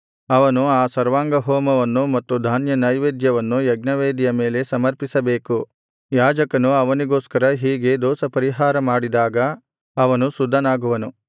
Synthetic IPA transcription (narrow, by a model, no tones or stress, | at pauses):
ɐʋɐnuaːsɐɾʋaːŋɡɐɦɔːmɐʋɐnːumɐt̪ːud̪ʱaːnjɐnɐjʋeːd̪jɐʋɐnːujɐɡnɐʋeːd̪ijɐme̞ːle̞sɐmɐɾpisɐbeːku | jaːd͡ʒɐkɐnuɐʋɐniɡoːskɐɾɐɦiːɡe̞d̪ɔːsɐpɐɾiɦaːɾɐmaːɽid̪aːɡɐː | ʋɐnusud̪ʱːɐnaːɡuʋɐnu